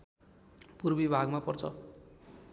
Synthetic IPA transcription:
purbibʱaɡmapʌrt͡sʰʌ

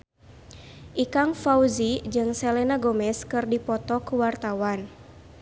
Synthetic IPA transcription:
ʔikaŋfauzid͡ʒɨŋsɛlɛnaɡɔmɛskɨrdipɔt̪ɔkuwart̪awan

